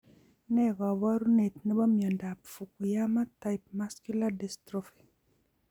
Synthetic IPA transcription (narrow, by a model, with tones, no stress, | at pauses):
nɛ˦ɡa˨wa˦ɾu˦ne˨t̪nɛ˦bɔ˦mjɔ˨nda˨pfu˨ku˨ja˦ma˦ta˨jp̚ma˦sku˦ladɛ˨stɾɔfi̥˨